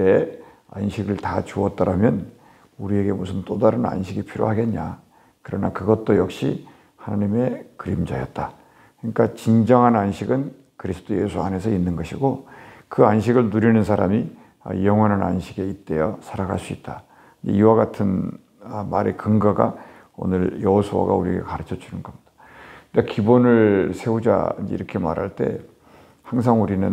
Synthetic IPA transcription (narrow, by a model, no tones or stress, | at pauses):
e | a̰nɕʰiɡɯɭtat͡ɕuʌt͈ʌɾamjʌn | uɾie̞ɡe̞musʰɯnt͈odaɾɯna̰nɕʰiɡipʰiɾjo̰ɦaɡe̞nɲa | kɯɾʌnakɯɡʌt̚t͈ojʌk̚ɕ͈i | hanaɲime̞kɯɾimd͡ʑajʌt̚t͈a | kɯɲik͈at͡ɕind͡ʑʌŋɦananɕʰiɡɯn | kɯɾisʰɯ̥tʰoje̞sʰua̰ne̞sʰʌinːɯnɡʌɕʰiɡokɯanɕʰiɡɯɭnuɾinɯnsʰaɾami | ʌ̰jʌŋwʌnɦana̰nɕʰiɡe̞it̚t͈e̞jʌsʰaɾaɡaɭs͈uit̚t͈a | nd͡ʑḛiwaɡatʰɯn | maɾekɯŋɡaɡa̰ | o̰nɯɾjʌosʰowa̰ɡa̰uɾiɡḛkaɾɯt͡ɕʰʌt͡ɕʰunɯnɡʌmɲid̥a | nakibonɯɭsʰe̞ud͡ʑa̰ind͡ʑeiɾʌkʰe̞ma̰ɾa̰ɭt͈e̞̰ | haŋs̬ʰaŋuɾinɯn